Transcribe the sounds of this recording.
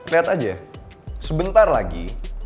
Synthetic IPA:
liɦat̪ad͡ʒasəbənt̪arlaɡḭ

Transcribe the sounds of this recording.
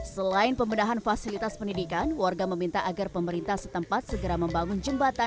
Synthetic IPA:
səlaɪnpəmbənaɦanfasilit̪aspəndidikanwarɡaməmint̪aʔaɡarpəməɾint̪ahsət̪əmpat̪̚səɡəɾaməmbaŋʊnd͡ʒəmbat̪a

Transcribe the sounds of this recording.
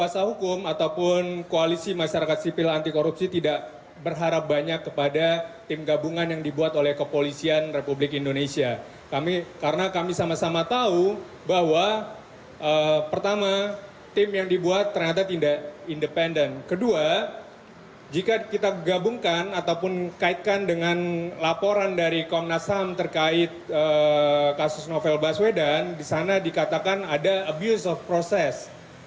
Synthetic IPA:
kuasaɦukʊmat̪awpʊnkoalisimaʃaɾakat̪sipɪlant̪ikoɾupsit̪idaʔ | bərɦaɾap̚baɲakːəpadat̪ɪmɡabuŋanjaŋdibuat̪olɛhkəpolisianrepublɪkindonesia | kamikaɾənakamisamasamat̪au | bahwa | ʔəpərt̪ama | t̪ɪmjaŋdibuat̪ːərɲat̪at̪indaʔindəpɛndənkədua | d͡ʒikakit̪aɡabuŋkanat̪awpʊnkaɪt̪̚kandəŋanlapoɾandaɾikɔmnasamt̪ərkaɪt̪̚əkasʊsnofɛlbaswedandisanadikat̪akanadaəbjusɔfpɾosɛs

